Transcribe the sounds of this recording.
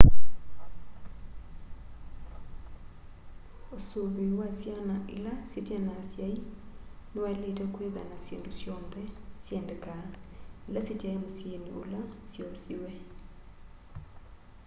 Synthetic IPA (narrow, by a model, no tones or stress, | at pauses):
osobiwasjanaʔḭlasitianasjainɛwaletakweða̰nasjendusjɔmbʰɛsjendɛkailasitiaemusjenḭṵlasjɔsiwɛ